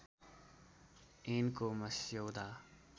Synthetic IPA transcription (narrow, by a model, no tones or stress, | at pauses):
eːnkoːmɐsjoːd̪aː